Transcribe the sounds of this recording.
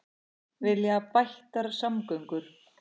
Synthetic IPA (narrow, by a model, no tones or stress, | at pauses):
vɪljaapajht̪aɾsamkœɥŋkʏɾ̥